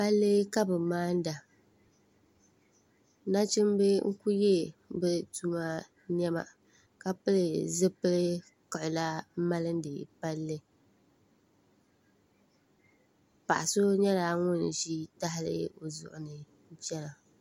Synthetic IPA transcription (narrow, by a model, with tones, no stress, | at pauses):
pa˦lːɨ˦ka˦bɨ˨maː˦n̩˦da˨ | na˦t͡ʃɪ˦m˦bɨ˦ŋ̩˦ku˦jɛ˦bɨ˦tu˦ma˦ | ɲɛ˦ma̰˨ | ka˨pɨ˦lɨ˨zɨ˦pɨ˦lɨ˦ | kɔ˨ʔʊ˨la˦ma˦lɨ˦n˦dɨ˨pa˦lːɨ˦ | pa˨ʔa˨so˦ɲɛ˦laː˨ŋʊ˦n˨ʃi˦ta˦ɦɪ˦lɨ̰˦o˨zʊ̰˨ʔʊ˨nɨ˨˦ | t͡ʃɛ˦la˨